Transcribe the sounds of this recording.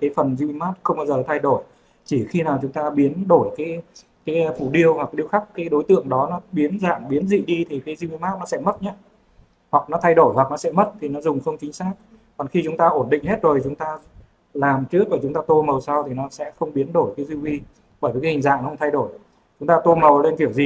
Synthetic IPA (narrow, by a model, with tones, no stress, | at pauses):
kaː˨˦jfə˨˩nzi˧mi˧maː˦˥t̚xə˧wŋ͡mɓaː˧wzəː˨˩t̪ʰa˧jɗo˧˩j | t͡ɕi˧˩xi˧naː˨˩wt͡ɕʊ˨˦ŋ͡mt̪aː˧ɓi˨˦ənɗo˧˩jkaː˨˦j | kaː˨˦jfṵ˧˩ɗi˧əwhwa˨˩k̚ːɗi˧əwxa˦˥k̚kaː˨˦jɗo˨˦jt̪ɨ̰˧˨əŋɗɔ˨˦nɔ˨˦ɓi˨˦nza̰ː˧˨ŋɓi˨˦nzḭ˧˨ɗi˧t̪ʰi˨˩kaː˨˦jzi˧wi˧maː˦˥t̚nɔ˨˦sɛ̰˧˥mə˦˥t̚ɲaː˦˥ | hwa˨˩k̚nɔ˨˦t̪ʰa˧jɗo˧˩jwa˨˩k̚nɔ˨˦sɛ̰˧˥mə˦˥t̚t̪ʰi˨˩nɔ˨˦zʊ˨˩ŋ͡mxə˧wŋ͡mt͡ɕï˨˦ŋ̟saː˦˥k̚ | kɔ˨˩nxi˧t͡ɕʊ˨˦ŋ͡mt̪aː˧ʔo˧˩nɗḭ̈˧˨ŋ̟he˦˥t̚zo˨˩t͡ɕʊ˨˦ŋ͡mt̪aː˧ | laː˨˩mt͡ɕɨ˦˥ək̚ːɔ˧˩t͡ɕʊ˨˦ŋ͡mt̪aː˧t̪o˧mə˨˩wsa˧wt̪ʰi˨˩nɔ˨˦sɛ̰˧˥xə˧wŋ͡mɓi˨˦ənɗo˧˩jkaː˨˦zi˧wwi˧ | ɓəː˧˩jvkːhi˨˩ŋza̰ː˧˨ŋxə˧wŋ͡mt̪ʰa˧jɗo˧˩j | t͡ɕʊ˨˦ŋ͡mt̪aː˧t̪o˧mə˨˩wle˧nk̪i˧˩əwzi˨˩